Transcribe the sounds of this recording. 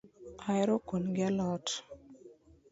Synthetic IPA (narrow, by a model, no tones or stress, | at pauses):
ajɾokonɡalɔt